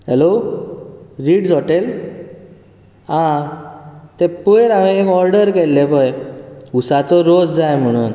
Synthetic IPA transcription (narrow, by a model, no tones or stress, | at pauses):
ɦɛlo | ɾiːɽd͡zoʈel | ã | t̪ɛ̃pujɾaʋẽekɔɾɖəɾkelːepəjusat͡sɔɾod͡zd͡zajm̤əɽ̃uːn